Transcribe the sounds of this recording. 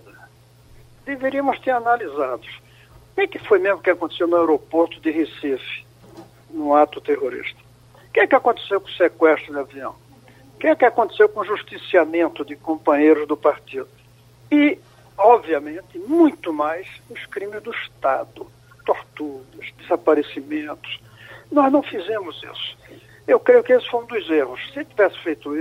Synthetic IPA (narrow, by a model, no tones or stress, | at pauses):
d̪eveɾiɐmʊst̪eɾanalizad̪ʊs | kẽɛkɪfojmezmʊkɪakõt̪e̥sewnʊewɾopoɾt̪ʊd̪ɪhisifɪ̥ | nʊ̃at̪ʊt̪ehoɾḭʃt̪ɐ̥ | kẽɛkɪakõnt̪e̥sewkõsekwɛʃst̪ɾʊd̪ɪaviɐ̃w̃ | kẽj̃ɛkɪakõnt̪e̥sewkõʒuʃt̪isiamẽnt̪ʊd̪ɪkõmpɐ̃ɲejɾʊzd̪ʊpaɾt̪id̪ʊ | ɪ | ɔbviɐmẽnt̪ɪmũj̃t̪ʊmajsʊskɾĩmɪzd̪ʊɪʃt̪ad̪ʊ | t̪oɾt̪uɾɐzd̪ezapaɾesimẽnt̪ʊ̥s | nɔznɐ̃w̃fizẽmʊzḭsʊ̥ | ewkɾejʊkɪesɪ̥fojũd̪ojzehʊssɪt̪ivɛsɪ̥fejt̪ʊi